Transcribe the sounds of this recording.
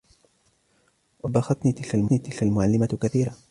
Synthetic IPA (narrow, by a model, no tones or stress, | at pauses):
wabaxɑt̪niːt̪ɪlkalmniːt̪ɪlkalmʊʕalːɪmakaθiːɾa